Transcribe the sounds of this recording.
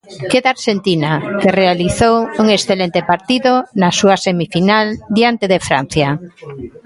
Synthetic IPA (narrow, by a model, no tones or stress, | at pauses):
keðaɾʃent̪inakerealiθowuŋesθelent̪epaɾt̪iðonasuasemifinald̪jant̪eðefɾa̰n̟θja